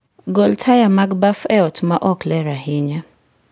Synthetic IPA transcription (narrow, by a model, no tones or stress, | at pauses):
ɡɔltʰajamaɡbafɛɔtmaʔɔklɛɾahɪɲa